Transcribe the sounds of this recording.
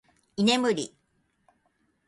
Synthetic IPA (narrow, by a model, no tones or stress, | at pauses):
ine̞mɯ̟ɾʲḭ